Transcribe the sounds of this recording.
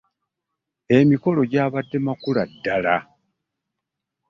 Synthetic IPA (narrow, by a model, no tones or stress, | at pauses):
e̞miko̞lo̞ɟaːβadːe̞makuladːala